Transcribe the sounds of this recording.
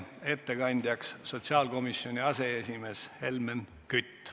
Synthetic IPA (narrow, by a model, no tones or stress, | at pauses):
e̞t̪ːe̞kɑnʲd̪ʲjɑksːo̞t̪siɑːlko̞misːjo̞nʲiɑse̞esʲime̞ːshe̞lmen | kyt̪ː